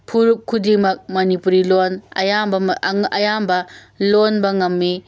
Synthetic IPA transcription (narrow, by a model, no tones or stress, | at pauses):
pʰuɾup̚kʰːudiŋmɐk̚mɐnipuɾilonɐ̰jambɐɐjambɐ | lonbɐŋɐmːi